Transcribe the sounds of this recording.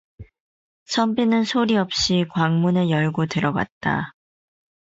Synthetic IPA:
sʰʌmbinɯnsʰoɾiʌp̚ɕ͈ikwaŋmunejʌɭɡotɯɾʌɡwa̰t̚t͈a̰

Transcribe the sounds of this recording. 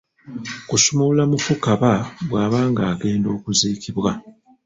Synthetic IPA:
kusumulamukukaβaβwaːβaːŋɡaːɡe̞ːndo̞ːkuziːkiβwa

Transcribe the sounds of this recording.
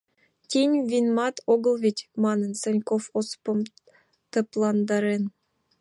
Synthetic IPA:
t̪ʲinʲvʲinmɑt̪ʰoɣɤ̆lˠvʲetʲmɑnənsĕnʲkofospɤ̆m | t̪ə̆plˠɑnd̪ɑɾen

